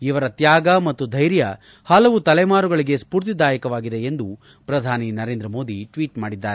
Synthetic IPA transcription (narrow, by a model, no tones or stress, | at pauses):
iʋɐɾɐt̪jaːɡɐmɐt̪ːud̪ʱɐjɾjɐ | hɐlɐʋut̪ɐlɛjmaːɾuɡɐɭiɡe̞spuːɾt̪̬id̪ʱaːjɐkɐʋaːɡid̪e̞end̪u | pɾɐd̪ʱaːninɐɾeːnd̪ɾɐmo̞ːd̪ʱiʈʋiːʈmaːɽid̪ːaːɾe